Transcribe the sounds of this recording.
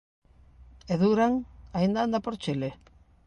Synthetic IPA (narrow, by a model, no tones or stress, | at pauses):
eðuɾaŋaind̪aand̪apoɾt͡ʃile